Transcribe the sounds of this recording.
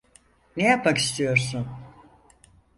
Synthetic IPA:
nejapʰaki̥st̪ʰijo̞ɾsun

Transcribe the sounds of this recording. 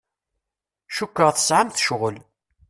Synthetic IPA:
ʃukːəʁθə̥sʕamθʃʁəl

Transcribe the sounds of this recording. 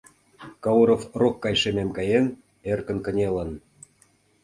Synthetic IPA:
kɑuɾofrokːɑjʃememkɑjen | erkə̆nkə̆nʲelə̆n

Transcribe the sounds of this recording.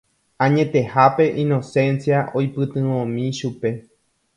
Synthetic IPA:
ãɲẽ̞t̪e̞hape̞ʔĩno̞sẽ̞nsjaʔo̞jpɨt̪ɨ̃ʋõmĩʃupe̞

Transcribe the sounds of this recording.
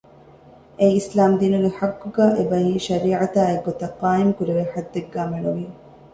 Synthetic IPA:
ejislaːmd̪iːnuɡeħakːuɡæːʔebɐɦiːʃɐɾiːʕat̪aːeɡːot̪ɐqːaːimkuɾeʋeħad̪ːeɡːaːmeɳuʋi

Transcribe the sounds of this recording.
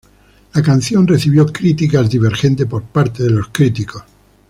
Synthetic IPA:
lakan̟θjo̞nreθiβjo̞kɾit̪ikazðiβe̞ɾxe̞nt̪epo̞ɾpaɾt̪eðelo̞skɾit̪iko̞s

